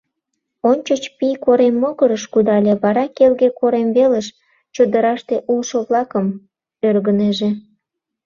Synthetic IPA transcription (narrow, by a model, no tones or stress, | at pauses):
onʲt͡ɕot͡ɕpijkoɾemːoɣəɾəʃkud̪ɑlʲeβɑɾɑkelɣekoɾemβeləʃ | t͡ɕod̪əɾɑʃt̪eʔulʃoβlɑkəm | ørɣəneʒe